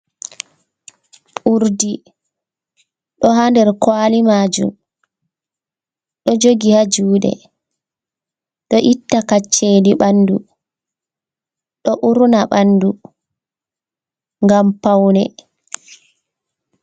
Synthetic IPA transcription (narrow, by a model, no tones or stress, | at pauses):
ʔuɾdi | ɗɔɦandɛɾkwaːlimaːd͡ʒṵm | ɗɔd͡ʒoɡihad͡ʒuːɗɛ̰ | ɗɔʔitːakat͡ʃːeːdiɓanːdu | ɗɔʔuɾnaɓanːdu | ŋɡampawnɛ